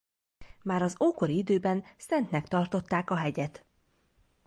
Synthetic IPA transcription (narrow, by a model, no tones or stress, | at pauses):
maːɾɒzoːko̞ɾiid̪øːbɛnsɛnt̪nɛkt̪ɒrt̪o̞t̪ːaːkɒɦɛɟɛt̪